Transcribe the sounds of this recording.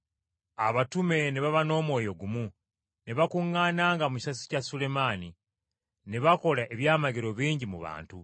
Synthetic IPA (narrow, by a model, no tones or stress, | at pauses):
aβatume̞neβaβano̞ːmwo̞ːjo̞ɡumu | ne̞βakuŋːaːnaːŋɡamuci̥sasi̥casule̞maːni | ne̞βako̞laʔe̞βjaːmaɡeɾo̞βiːɲɟimuβa̰ːntu